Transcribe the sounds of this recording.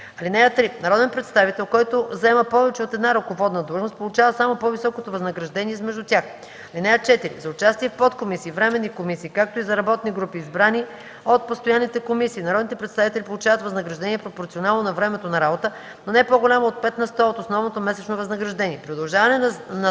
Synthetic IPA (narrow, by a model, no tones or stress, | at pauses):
ɐlinɛjət̪ɾinɐɾɔd̪ɛnpɾɛt̪st̪avit̪ɛlˠkɔjt̪ozɐɛməpɔvɛt͡ʃɛot̪ɛd̪naɾokovɔd̪nəd̪luʒnost̪polˠut͡ʃavəsamopɔvisɔkot̪ovɐznɐɡɾɐʒd̪ɛniɛzmɛʒd̪ʊt̪ʲax | ɐlinɛjət͡ʃɛt̪iɾḭzɐʊt͡ʃast̪iɛfpɔt̪komisiːvɾɛmɛnːikomisiːkak̚t̪oizɐɾɐbɔt̪niɡɾupiːzbɾani | ot̪̚post̪ojanːit̪ɛkomisiːnɐɾɔd̪nit̪ɛpɾɛt̪st̪avit̪ɛlʲipolˠut͡ʃavət̪vɐznəɡɾɐʒd̪ɛniɛpɾopoɾt̪ionalˠnonɐvɾɛmɛt̪onɐɾabot̪ə | nonɛpoɡolʲamoot̪̚pɛt̪nɐst̪ɔot̪osnɔvnot̪omɛsɛt͡ʃnovɐznɐɡɾɐʒd̪ɛnʲiɛpɾiod̪ɐlˠʒavɐnɛnnɐ